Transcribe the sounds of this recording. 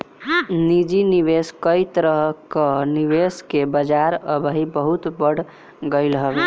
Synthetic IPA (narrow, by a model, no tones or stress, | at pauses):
nid͡ʒiniβeskəjt̪ɾəɦkəniʋeskebəd͡ʒaɾəbəɦibəɦut̪bəɽ̤ | ɡəɪlɦəbe